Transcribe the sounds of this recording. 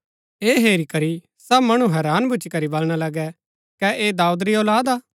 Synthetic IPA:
eːɦeːɾikɐɾi | sɐbmɐɽ̃ũɦɛːɾaːnbʱʊt͡ʃikɐɾibɐlɽ̃alɐɡɛ | kɛʔeːd̪aːud̪ɾioːlaːd̪aː

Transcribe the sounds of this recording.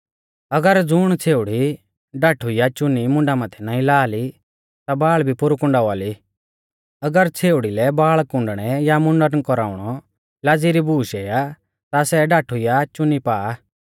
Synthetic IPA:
ɐɡəɾd͡zʊɽ̃t͡sʰeːʊɽi | ɖaːʈʰujat͡ʃʊnimʊ̃ɳɖamãt̪ʰɛnãːĩlaːli | t̪abaːɭbʱipʊɾukʊ̃ɳɖaʋaːli | ɐɡəɾt͡sʰeːʊɽilɛbaːɭkʊ̃ɳɖɽ̃ɛjamʊ̃ɳɖəɾnkɔɾaːuɽ̃ɔ | lad͡ziɾibʱuːʃeːja | t̪asɛɖaːʈʰujat͡ʃʊnipaː

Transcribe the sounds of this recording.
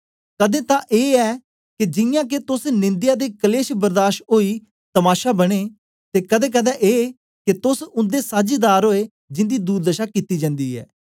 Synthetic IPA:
kəd̪ẽːt̪ãːʔeːɛː | kɪd͡ʒɪjãːket̪ʊsnɪ̃nd̪ɪjaːd̪eːkəleːʃbəɾd̪aːʃɦoːiː | t̪əmaːʃaːbəɽ̃eː | t̪eːkəd̪ẽːk̬əd̪ɛːʔeː | ket̪ʊsʊ̃nd̪eːsaːd͡ʒid̪aːɾɦoːeː | d͡ʒɪ̃nd̪iːd̪uːɾd̪əʃaːkit̪iːd͡ʒə̃ːnd̪iːɦɛ̰ː

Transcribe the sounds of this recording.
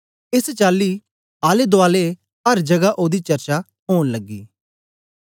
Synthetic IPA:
ɪst͡ʃaːlːiː | aːled̪oaːle | ɐɾd͡ʒɐɡaʔoːd̪it͡ʃɐɾt͡ʃa | ɦoːnləɡːḭː

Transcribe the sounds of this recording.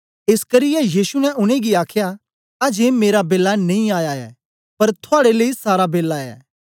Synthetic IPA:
ɪskɐɾɪjɛjiːsunɛʔʊɽ̃eɡiaːkʰja | ɐd͡ʒemeːɾabeːlːanɐ̃ĩaːjaɛ̰ː | pɐɾt̪ʰʊaːɽeleisaːɾabeːlːaɛ̰ː

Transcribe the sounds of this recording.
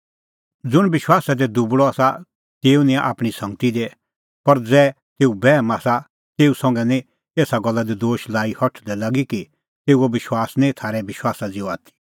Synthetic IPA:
d͡zʊɽ̃bɪʃwaːsad̪ɛd̪ubɽɔaːsa | t̪eːunɪ̃aʔa̰ːpɽ̃isɐ̃ŋɡ̚t̪id̪e | pɐɾd͡zɛː | t̪eːubɛːmaːsa | t̪eːusɐ̃ŋɡɛnĩ | t̪eːsaɡɔlːad̪id̪oːʃlaːihɔʈʰd̪ɛlaɡiki | t̪eːuobɪʃwaːsnĩt̪ʰaːɾɛbɪʃwaːsad͡zioaːt̪ʰi̥

